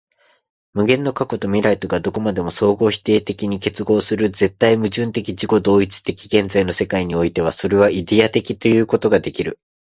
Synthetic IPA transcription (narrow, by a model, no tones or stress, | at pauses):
mɯ̟ɡẽ̞nːo̞kako̞t̪o̞mʲiɾait̪o̞ɡad̪o̞ko̞mad̪e̞mo̞so̞ːɡo̞ːçi̥t̪e̞ːt̪e̞kʲiɲ̟ike̞t͡sɨɡo̞ːsɨɾɯ̟d͡ze̞t̪ːaimɯ̟ʑɨ̃nt̪e̞kʲid͡ʑiko̞d̪o̞ːit͡sɨ̥t̪e̞kʲiɡẽ̞nzaino̞se̞kaiɲ̟io̞it̪e̞β̞aso̞ɾe̞β̞aid̪e̞at̪e̞kʲit̪o̞jɯ̟ːko̞t̪o̞ɡad̪e̞kʲiɾɯ̟